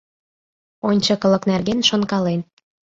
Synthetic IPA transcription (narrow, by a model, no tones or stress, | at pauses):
onʲt͡ɕɤkɤ̆lɤ̆knærɣenʃonkɑlen